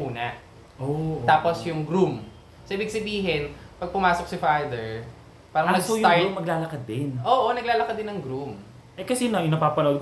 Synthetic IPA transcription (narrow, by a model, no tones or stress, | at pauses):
uːnɐ | ʔoʔ̪aːposjʊŋɡɾum | soʔɪbɪɡ̚sɐbiːɦɪnpɐɡ̚pʊmaːsok̚sɪfajd̪ɛɹ | paːɾɐŋnɐɡsojʊaɹmɐɡlaːlɐkɐd̪ːɪnʔoːʔonɐɡlaːlɐkɐd̪ɪnːɐŋɡɾum | ʔɛkɐsinoʔɪnɐpaːpɐnɐʔod̪̚k